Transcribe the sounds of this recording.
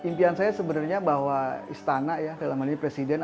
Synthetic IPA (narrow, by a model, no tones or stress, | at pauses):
impiansajasəbənarɲabaɦwaist̪anaʔjasalamaniipɾesidɛn